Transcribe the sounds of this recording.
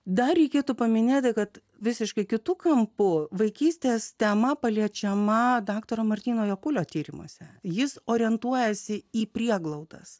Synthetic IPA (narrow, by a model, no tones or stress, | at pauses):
d̪ɐɾʲɛɪkʲeːt̪uːpɐmʲɪnʲeːt̪ʲɪkɐt̪ | ʋʲɪsʲɪʃkɐɪkʲɪt̪ʊkɐmpʊʋɐɪkʲiːsʲt̪ʲeːst̪ʲɛmɐpɐlʲiɛt͡ʃʲɛmɐd̪ɑːkt̪oːɾɐmɐɾʲt̪ʲiːnoːjoːkʊlʲoːt̪ʲiːɾʲɪmṵɔsʲɛjɪsoːɾʲɛnt̪uɔjɛsʲɪiːpʲɾʲiɛɡlˠɐʊd̪ɐs